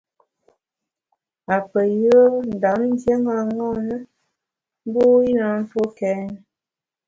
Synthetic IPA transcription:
a˨pə˨jə˦n̩˨da˨˦m˦n̩˦d͡ʒje˦ŋa˦˨ŋɔ˦nə˦ | m˦bo˦i˦na˨˦n̩˦fo˦kɛ˦nə˨

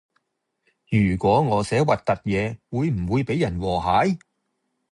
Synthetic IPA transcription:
jyː˨˩kʷɔː˨˥ŋɔː˨˧sɛː˨˥wɐ˨t̚t̪ɐ˨t̚jɛː˨˧wuː˨˧jm̩˨˩wuː˨˧jpe˨˥jːɐ˨˩nwɔː˨˩ɦaː˨˥j

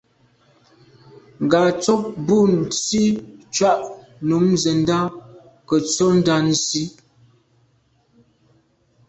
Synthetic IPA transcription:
ŋ˨ɡa˨t͡sɔ˦p̚bu˦˨n˨si˦t͡ʃwa˦ʔ | nu˨˦mzə˨n˦da˦ | kə˨t͡sɔ˦n̩˦da˦n̩˨si˦

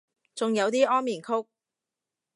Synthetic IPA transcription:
t͡sʊ˨ŋjɐ˨˧wt̪iː˥ɔː˥nmiː˨˩nkʰʊ˥k̚

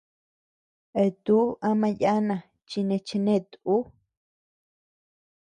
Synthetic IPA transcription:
e˧˨t̪u˦a˧mã˧ja˦nã˨ | t͡ʃi˧nẽ˧t͡ʃe˧nẽ˦˨t̪u˦

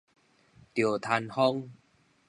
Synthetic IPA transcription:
t̪jo˨˩t̪ʰa˧nhɔ˦˥ŋ

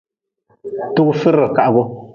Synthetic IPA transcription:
tu˦kfɨ˦ɾɨ˨ka˨ʔɡo˦

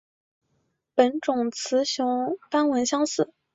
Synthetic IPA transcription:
pə˨˩nʈ͡ʂʊ˨˩ŋt͡sʰɹ̩˧˥ɕjʊ˧˥ŋfa˥nwə˧˥nɕjɑ˥ŋsɹ̩˨˩˦

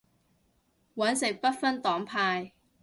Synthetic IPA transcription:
wɐ˨˥nsɪ˨k̚pɐ˥t̚fɐ˥nt̪ɔː˨˥ŋpʰaː˧j

